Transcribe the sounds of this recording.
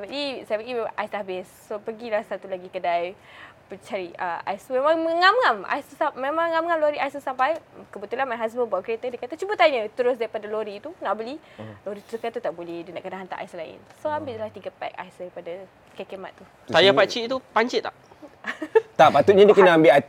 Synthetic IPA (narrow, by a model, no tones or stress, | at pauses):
abəʔdisajbəɡiʔajsabɪsːopəɡilahsat̪ulaɡikədaj | pət͡ʃaɾiəa̰jsumemãŋəŋamŋama̰jst̪usamemãŋːamŋamloɾiʔajst̪usampajkəbət̪ulanmaɦas̬bənbaʔkəɾet̪ədikat̪at͡ʃubət̪aiɲət̪əɾʊs̬daɾipadaloɾit̪unaʔbəli | loɾit̪udukant̪ut̪aʔbolɛhdinaʔkənaɦant̪a̰ʔa̰jslaɪ̰nsoambɪʔdlat̪iɡəpɛ̰k̚a̰jsdaɾipada | kakema̰t̪ːu | t̪ajapat͡ʃit̪upaɲt͡ʃɪʔ̪̚aʔ | t̪apat̪uʔ̚ɲadiəkənaambɪʔa